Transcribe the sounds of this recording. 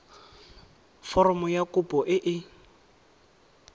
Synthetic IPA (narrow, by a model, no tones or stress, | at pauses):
fɔrɔmɔjakʊpʼɔʔɪʔɪ